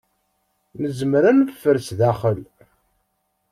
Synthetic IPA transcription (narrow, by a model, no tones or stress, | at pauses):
nəzmɾænəffːəɾsðæχəl